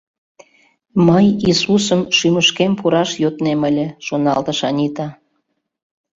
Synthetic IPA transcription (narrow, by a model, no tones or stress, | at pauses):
məjisusəmʃyməʃkempuɾɑʃjot̪neməlʲĕʃonɑlt̪ə̆ʃɑnʲit̪ɑ